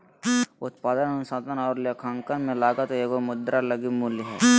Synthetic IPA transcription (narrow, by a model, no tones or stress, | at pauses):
ʊt̪paːd̪ənənsaːd̪ənɔːɾlekʰaːŋkənmẽlaːɡat̪oeɡomʊd̪ɾaləɡimulɦɛ